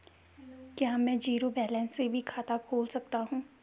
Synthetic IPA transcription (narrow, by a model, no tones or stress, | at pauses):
kjamɛ̃ːd͡ʒiːɾobɛːlɛ̃ːnsːebʱikʰaːt̪akʰoːlsɐk̚t̪aɦũː